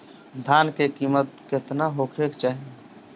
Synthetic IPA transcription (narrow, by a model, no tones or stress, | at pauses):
d̪ʱankekimət̪ket̪naɦokʰekt͡ʃaːɦi